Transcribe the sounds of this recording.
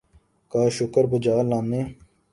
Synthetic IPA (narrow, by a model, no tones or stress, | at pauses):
kaːʃʊkəɾbʊd͡ʒaːlãːmneː